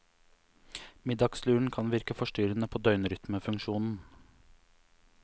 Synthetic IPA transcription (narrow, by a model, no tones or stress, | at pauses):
mɪd̪ɑɡslʉːɳ̩kʰɑnʋɪɾkəfɔʃʈyːɾənəpʰoːd̪œʏnɾʏt̪məfʉŋkʃuːnn̩